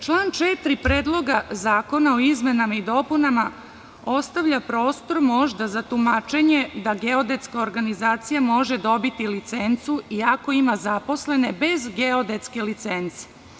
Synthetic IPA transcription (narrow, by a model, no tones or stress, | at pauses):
t͡ʃlˠaːnt͡ʃet̪ɾipɾeːd̪lˠo̞ɡazaːko̞naoizmenamaid̪o̞ːpunama | o̞st̪aʋʎapɾo̞ːst̪o̞ɾmo̞ʒd̪azat̪umat͡ʃe̞ɲed̪aɡe̞od̪e̞t̪skaoɾɡanizaːt̪sijamo̞ʒe̞d̪o̞bit̪ilit̪sent̪suiako̞imazapo̞sle̞ne̞be̞zɡeo̞d̪e̞t̪ske̞lit̪sent̪se̥